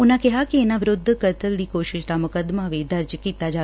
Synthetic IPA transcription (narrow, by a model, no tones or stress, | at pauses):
ʊnakɛɦakeːnaʋɪɾʊd̪ʱːkəɾt̪əɾɽiːkoːʃɪʃt̪aməkəd̪maʋed̪əɾd͡ʒkit̪ad͡ʒa